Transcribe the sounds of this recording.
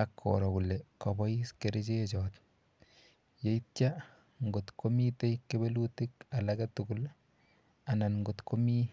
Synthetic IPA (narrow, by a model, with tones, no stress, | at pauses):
akʰːɔ̰ɾɔ˨kulɛkɔ˨bɔ˦iskeɾet͡ʃe˦t͡ʃɔt | je˨it̚t͡ʃa | ŋɡo˨tko˦mi˦te˦jkːe˦be˦lu˦ti˦ka˨lakɛtuɡul | a˨na˨nŋɡo˨tko˦mi˦